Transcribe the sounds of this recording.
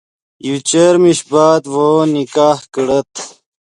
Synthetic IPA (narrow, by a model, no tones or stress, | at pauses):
jut͡ɕeɾmiɕbaːt̪woːnikaːhkəɽɐt̪